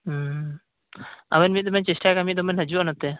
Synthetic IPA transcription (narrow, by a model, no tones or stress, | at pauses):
a̰wɛnmit̪̚d̪ɔmɛnt͡ʃɛsʈakamit̪̚d̪ɔmɛnɦəd͡ʒuʔɔnat̪ɛ